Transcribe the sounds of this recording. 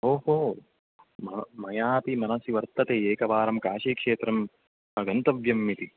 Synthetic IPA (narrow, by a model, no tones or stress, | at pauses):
oːɦoː | mɐmɐjaːp̪imɐnɐsiʋɐɾt̪ɐt̪eːeːkɐʋaːɾɐmkaːʃiːkʂeːt̪ɾɐm | ɐɡɐnt̪ɐʋjɐmːit̪i